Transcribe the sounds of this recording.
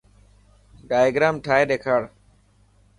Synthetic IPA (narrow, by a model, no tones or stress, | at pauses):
ɖaːjɡɾaːmʈʰaːɦeːɗeːkʰaːɽ